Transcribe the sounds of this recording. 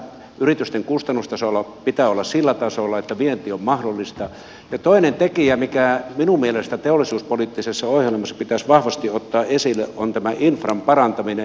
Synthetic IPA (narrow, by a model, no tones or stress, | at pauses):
yrit̪yst̪eŋkust̪ɑnːust̪ɑsolːˑɑpit̪æːolːɑssilːæt̪ɑsolːˑɑet̪ːæʋient̪iːommɑhdolːˑist̪ɑ | jɑt̪oinent̪ekiæmikæminummielest̪æt̪eolːˑisuːspolit̪ːisesːɑohjelmɑsːɑ̥pit̪æsʋɑhʋɑst̪iot̪ːɑːʔesilːˑeʔont̪æmæʔinfrɑmpɑrɑnt̪ɑmine